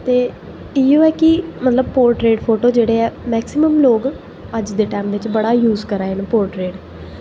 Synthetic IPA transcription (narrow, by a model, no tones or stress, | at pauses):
t̪eː | iːoːɛːkɪmət̪ləbpoːɾʈɾeːɖpʰoːʈoːd͡ʒeːɽeːɛːmɛːksɪməmloːɡ | əd͡ʒd̪eːʈɛ̃ːmʋɪt͡ʃbəɽaːjuːzkəɾaːenpoːɾʈɾeːɖ